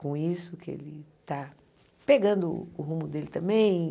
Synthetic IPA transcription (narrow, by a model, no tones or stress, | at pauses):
kõisʊkɪḛlɪt̪a | peɡɐ̃nd̪ʊːɦũmʊd̪elɪt̪ɐ̃mbẽj̃